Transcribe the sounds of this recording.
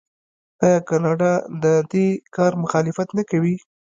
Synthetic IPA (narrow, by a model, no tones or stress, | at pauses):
ɑjɑkɑnɑɖɑd̪əd̪ekɑɾmʊxɑlɪfat̪nakawi